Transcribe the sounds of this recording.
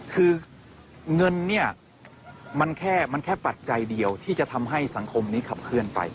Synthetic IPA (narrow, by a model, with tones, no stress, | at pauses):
kʰɯː˧ | ŋɤ˧nːi˥˩ɐ | ma˧nkʰɛː˥˩ma˧nkʰɛː˥˩pa˨˩t̪̚t͡ɕa˧jdi˧əwt̪ʰiː˥˩t͡ɕa˨˩t̪ʰa˧mɦa˥˩jsa˩˦ŋkʰo˧mniː˦˥kʰa˨˩p̚kʰɯ˥˩ənpa̰˧j